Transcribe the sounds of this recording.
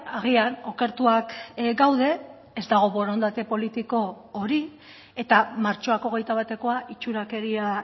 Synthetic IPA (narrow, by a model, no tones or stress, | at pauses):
aɣ̞iano̞ke̞ɾt̪uakɡawð̞e̞ː | zd̪aɣ̞o̞βo̞ɾo̞nd̪at̪e̞po̞lit̪iko̞ː | ɾi | e̞t̪amaɾt͡ʃo̞ako̞ɣe̞jt̪aβ̞at̪e̞ko̞aʔit͡ʃuɾake̞ɾia